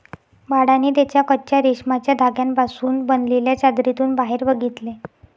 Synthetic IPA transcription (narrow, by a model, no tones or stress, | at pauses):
baɽaniːt̪jat͡ɕjakəːɕjaɾiɕmat͡ɕjad̪ʱaɡjampasuːnbənleljat͡ɕad̪ɾit̪uːnbaɦeɾbəɡʱit̪le